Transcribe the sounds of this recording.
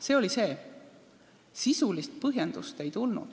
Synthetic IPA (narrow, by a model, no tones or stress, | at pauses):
se̞ːo̞lise̞ː | sisulist̪̚pɤɦjend̪ust̪e̞jt̪ulnṵd̪̥